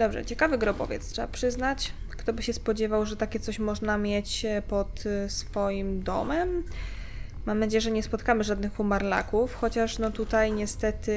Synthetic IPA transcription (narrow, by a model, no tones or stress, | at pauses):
d̪̥ɔbʐɛ̰t͡ɕɛkavɘɡɾɔbɔ̰vʲjɛ̰t̪stʂɛbapʂɘznat͡ɕ | kt̪ɔbɘɕɛspɔd͡ʑɛvawʐɛt̪akʲɛt̪sɔɕmɔʐnamʲjɛt͡ɕpɔt̪sfɔjimd̪ɔ̰mɛmː | amnad͡ʑejɛʐɛɲɛspɔt̪kamɘʐad̪nɘxumaɾla̰kufxɔt͡ɕaʂnɔt̪ut̪ajɲɛst̪ɛt̪ɘ